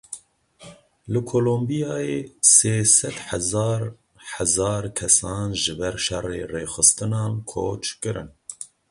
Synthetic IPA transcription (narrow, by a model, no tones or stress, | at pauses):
lɨkʰoːlombijɑːjeːseːsɛd̪ħɛzɑːɾ | ħɛzɑːɾkʰɛsɑːnʒɨbɛɾʃɛreːreːxɨst̪ɨnɑːnkʰoːt͡ʃkɨɾɨ̰n